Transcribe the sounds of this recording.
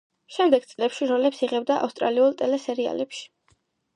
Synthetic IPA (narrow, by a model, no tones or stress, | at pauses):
ʃɛmd̪ɛɡ̚t̪sʼlɛpʃiɾɔlɛpsiʁɛb̚d̪aʔa̰fst̪ʼɾaliulˠt̪ʼɛlɛsɛɾia̰lɛpʃi̥